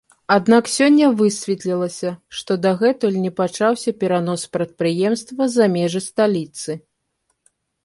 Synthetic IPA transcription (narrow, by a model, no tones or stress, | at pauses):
ad̪naksʲɔnʲːɐvɨsʲvʲɛt̪lʲilˠɐsʲɐʂt̪ɔd̪ɐɣɛt̪ɔlʲnʲɛpat͡ʂawsʲɐpʲɛɾanɔspɾɐt̪̚pɾɨjɛmst̪vɐzamʲɛʐɨst̪alʲit̪sɨ